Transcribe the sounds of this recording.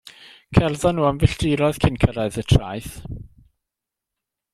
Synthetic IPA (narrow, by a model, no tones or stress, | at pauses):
kʰɛrðɔnːuːamvɪɬd̥ɪɾɔð̥kʰɪnkʰəɾaɨðətʰra̰jθ